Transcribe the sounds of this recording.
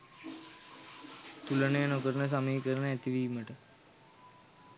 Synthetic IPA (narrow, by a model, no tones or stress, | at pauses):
t̪ulənejənokəɾənəs̬amiːkəɾənəæt̪iʋiːməʈə